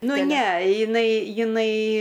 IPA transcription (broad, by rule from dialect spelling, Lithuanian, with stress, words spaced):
ˈnʊ ˈnʲɛ jɪˈnɐɪ jɪˈnɐɪ